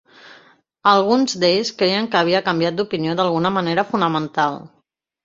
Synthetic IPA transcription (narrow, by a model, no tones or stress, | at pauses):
əlˠɣ̞unzd̪eʎskɾejəŋkəːβ̞iəkəmbjat̪̚d̪upinioðalˠɣ̞unəməneɾəfunəmənt̪alˠ